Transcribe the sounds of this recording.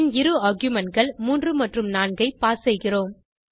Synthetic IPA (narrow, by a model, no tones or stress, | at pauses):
nɪɾɯaɾɡjʊmɐnɡɐɭmuːndrɯmɐʈrɯmnaːɳɡɐɪpaːsɛɪɣɪroːm